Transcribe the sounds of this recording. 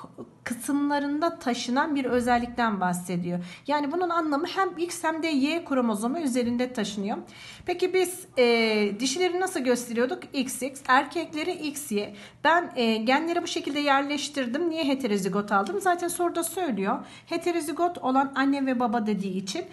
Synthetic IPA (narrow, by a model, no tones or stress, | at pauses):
kʰɯsɯmlˠaɾɯnd̪at̪ʰaʃɯnanbiɾø̞zælʲːic̚t̪ʰænbahse̞d̪ijo̞jaːnibununanlˠamɯhæmicshæmd̪ɛjɛkʰuɾomozomayze̞ɾind̪ɛt̪ʰaʃɯnɯjom | pʰecibiz̥ | ɛːd̪iʃilʲe̞ɾinasɯlˠɟø̞st̪ʰe̞ɾijo̞d̪ukicsicsæɾcʰɛclʲe̞ɾiʔicsjɛ | b̥ænːɟænlʲe̞ɾibuʃe̞cʰilʲd̪ɛjæɾlʲɛʃt̪iɾd̪imnijɛɦe̞t̪ʰe̞ɾeziɡo̞t̪ʰalˠd̪ɯmzaːt̪ʰænso̞ɾud̪asø̞jlʲijo̞ | he̞t̪ʰe̞ɾeziɡo̞t̪ʰo̞lˠananːɛvɛbabad̪e̞d̪iːt͡ʃʰin